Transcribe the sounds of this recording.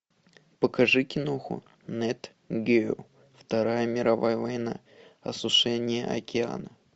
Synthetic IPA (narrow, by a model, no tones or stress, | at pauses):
pəkɐʐɨkʲɪnoxʊ̰ | nɛt̪ | ɡʲe | ft̪ɐɾajəmʲɪɾɐvajəvɐjna̰ | ɐsʊʂɛnʲɪjə̰ʔɐ̰kʲɪa̰nə